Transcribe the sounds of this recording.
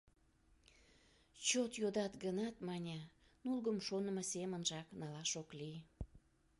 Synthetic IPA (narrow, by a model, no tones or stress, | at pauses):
t͡ɕot̪jod̪ɑt̪ɡənɑt̪mɑnʲɑnulɣəmʃonəməsemənʒɑknɑlɑʃokli